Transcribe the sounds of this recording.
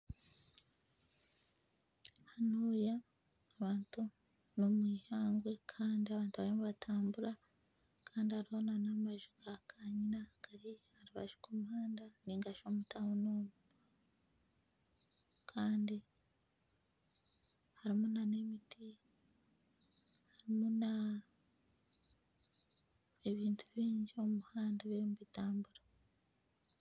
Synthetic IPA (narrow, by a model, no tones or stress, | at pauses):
hanuːjaː | βaːntu | nomwiːhaːŋɡwe̞kʰaːndiaβaːntuβaɾimuβatʰaːmbuɾa | kʰaːndihaɾihonanamaʒuɡakʰaɲinakaɾihaɾuβa̰ʒu̥kumhaːndaniŋɡaʃomutʰahunuːmu | kʰaːndi | haɾimunane̞miti | haɾimuna | eβiːntʰuβiːɲɟio̞muhaːndaβemuβitaːmbuɾa